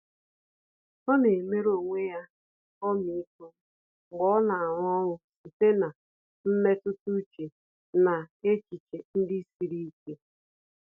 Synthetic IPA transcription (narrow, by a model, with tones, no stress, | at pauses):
ɔ˦ne˨me˦ɾo˨ŋʷe˦ja˦ | ɔ˦mi˨i˦kʊ˦ | ɡ͡bɔ˦na˨a˨ŋ˦ɔ˦ŋʷʊ˦si˨te˦na˨ | m̩˦me˦tʊ˦tu˦t͡ʃe˨ | na˨e˦t͡ʃi˨t͡ʃe˨n̩˦dɪ˦si˨ɾi˦i˦ke˦